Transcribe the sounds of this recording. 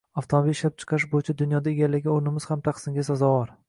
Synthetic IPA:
aft̪ʰomabilʃlap̚t͡ʃʰɨ̥qʰɑɾɪʃ̬bojɪt͡ʃʰad̪ʊnjɒd̪aeɡʲalːɪɡʲɪoɾnɪmɪz̥hamt̪ʰaqsɪŋɡʲas̬azɒvɒɾ

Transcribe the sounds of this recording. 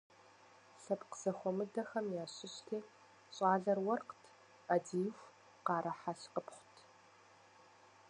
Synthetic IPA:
ɬɐpqz̥ɐxʷɔmɨdɐxɐmjaːɕɪɕtʰeː | ɕʼɑːɮɐrwɐrqtʰ | adiːjwʷ | qɑːɾʔɐħaɬqəpχʷʊtʰ

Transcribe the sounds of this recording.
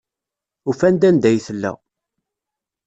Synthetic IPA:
ufænd̪ænd̪æjθəlːæ̰

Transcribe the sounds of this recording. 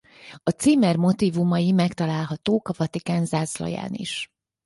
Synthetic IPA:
ɒt̪siːmɛrmo̞t̪iːvumɒjimɛkt̪ɒlaːlɦɒt̪oːkɒvɒt̪ikaːnzaːzlɒ̰ja̰ːnḭʃ

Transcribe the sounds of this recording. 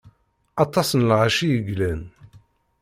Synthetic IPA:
ɑt̪ˤːɑsnlʕaʃijəɡlæn

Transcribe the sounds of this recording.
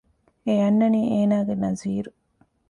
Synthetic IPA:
ejɐnːɐniːeːnaːɡenɐziːɾu

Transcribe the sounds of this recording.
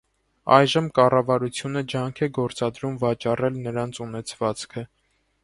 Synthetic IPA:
ɑjʒəmkɑrɑvɑɾut͡sʰjunəd͡ʒɑŋkʰɛɡɔɾt͡sɑd̪ɾumvɑt͡ʃɑrɛlnəɾɑnt͡sʰunɛt͡sʰvɑt͡skʰə

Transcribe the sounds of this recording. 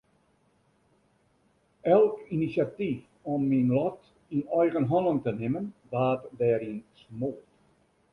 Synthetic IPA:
ɛlˠkinisjatif | ɔmːinlɔt | inœjɣənɦɔnəŋtənɪmənʋaːtdɛːɾinsmoːt

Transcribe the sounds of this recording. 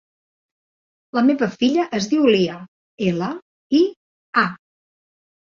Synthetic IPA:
ləmeβəfiʎəʔəzðiwliə | elə | i | a

